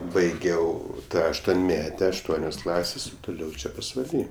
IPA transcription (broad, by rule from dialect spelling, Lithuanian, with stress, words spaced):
bɐɪˈɡʲɛʊ ɐʃtuɔnʲˈmʲæːtʲɛ ɐʃˈtuɔnʲoːs ˈklˠɑːsʲeːs oː tʊˈlʲɛʊ ˈt͡ʃʲɛ pɐsʋɐˈlʲiː